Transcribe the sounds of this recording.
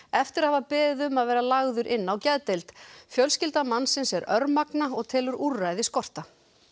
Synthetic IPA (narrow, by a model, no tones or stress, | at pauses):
ɛft̪ɪɾahavapɛːðʏmaðvɛːɾalaɣðʏɾʔɪnːawcɛðt̪ɛlt̪fjœlscɪlt̪amanːsɪnsɛɾœɾmaknaɔɣt̪ʰɛːlʏɾurːajðɪskɔr̥t̪a